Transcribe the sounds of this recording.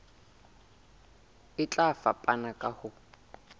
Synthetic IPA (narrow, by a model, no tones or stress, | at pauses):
ɪt͡ɬʼafapʼanakʼahʊ